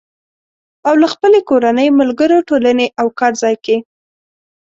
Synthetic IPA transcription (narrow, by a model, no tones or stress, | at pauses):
awlaxpəlekoɾanəjmʊlɡəɾoʈolaneʔawkɑɾzɑjke